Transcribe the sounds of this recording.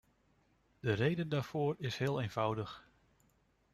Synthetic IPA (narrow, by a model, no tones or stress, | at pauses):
d̥ərejdəndaːɹv̥ʊːɹɪshɪːlˠejnv̥ʌwdəχ